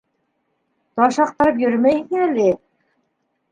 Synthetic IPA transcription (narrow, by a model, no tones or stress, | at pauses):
t̪ɑʃɑq̚t̪ɑ̆ɾɤp̬jɵ̆ɾmæjkɘæli